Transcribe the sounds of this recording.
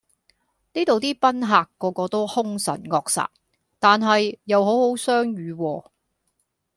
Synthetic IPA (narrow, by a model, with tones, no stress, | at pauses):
niː˥t̪o˨wt̪iː˥pɐ˥nɦaː˨kːɔː˨˧kɔː˧t̪o˥whʊ˥ŋsɐ̰˨˩nŋɔː˧k̚sa̰ː˨˩t̚ | t̪aː˨nɦɐ˨jːɐ˨˧who˨˥who˨˥wsœː˥ŋjyː˨˧wɔː˧